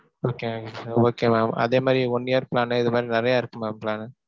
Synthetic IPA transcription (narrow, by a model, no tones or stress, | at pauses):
oːkemaːkeoːkeːmaːmɐ̰ðeːmaːd̪ɾiɔɳːɪjaːɾpɪlaːnɐɪðɯmaːd̪ɾinɪɾɐjaːɪɾɯkːɯmaːmpɪlaːnɯ